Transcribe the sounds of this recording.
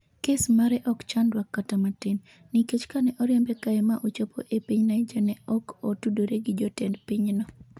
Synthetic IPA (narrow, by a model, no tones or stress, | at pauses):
kesmaɾɛʔɔkt͡ʃandwakːatamatɪn | niket͡ʃkanɛʔɔɾjɛmbɛkaɛmaʔot͡ʃopʰo̰ʔepiɲnaɪd͡ʒɛnɛɔkɔtudoɾeɡɪd͡ʒɔtɛndpiɲnɔ